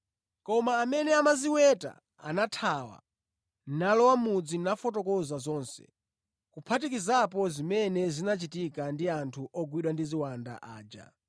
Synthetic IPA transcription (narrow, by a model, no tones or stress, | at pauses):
kɔmaːmɛnɛamaziwɛta̰ | a̰natʰawa̰ | nalɔwamud͡zinafɔtɔkɔzazɔːnsɛ̰ | kupʰatikizapɔzimɛnɛzinat͡ʃitikandiantʰuʔɔɡwiɗwandiziwanda̰ʔaːd͡ʒa̰